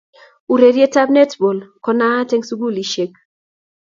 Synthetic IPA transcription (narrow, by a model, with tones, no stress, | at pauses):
u˨ɾe˨ɾje˦ta˦b̚nɛ˦tbo˨lkɔ˦na˦te˦ŋsu˦ɡu˦˨li˨ʃe˦k̚